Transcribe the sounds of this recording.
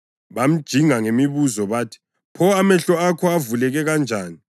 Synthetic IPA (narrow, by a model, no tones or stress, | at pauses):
βam̩d̥ʒ̥ʱiŋaŋemiβuzɔβaːtʰi̥ | pʰɔamɛɬɔakʰɔavulɛɣɛɣand͡ʒʱaːni